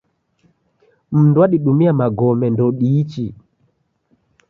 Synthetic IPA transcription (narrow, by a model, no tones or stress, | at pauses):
m̩nduwaɗiɗumiamaɡɔmɛndɔɗit͡ʃi